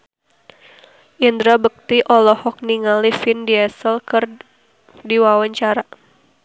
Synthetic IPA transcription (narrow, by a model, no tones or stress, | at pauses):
ʔind̪ɾabək̚t̪iʔɔlɔhɔk̚niŋalifindiɛsəlkər | diwawaɲt͡ʃaɾa